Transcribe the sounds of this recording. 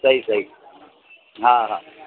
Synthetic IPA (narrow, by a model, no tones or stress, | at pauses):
sɐɦisɐɦi | ɦãɦã